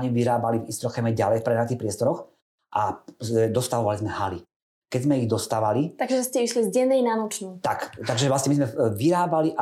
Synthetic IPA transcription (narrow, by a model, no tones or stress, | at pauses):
ɲiʋiɾaːbalivist̪ɾɔxɛmɛɟalɛjfpɾɛnat̪ixpɾɪɛst̪ɔɾɔx | ʔazɛd̪ɔst̪aʋɔʋalizmɛhali | kɛzmɛiɣd̪ɔst̪aːʋalit̪aɡʒɛʒɛscɛiʃlizɟɛnːɛjnanɔt͡ʃnuːt̪akt̪aɡʒɛvlasɲɛmizmɛʋiɾaːbaliʔa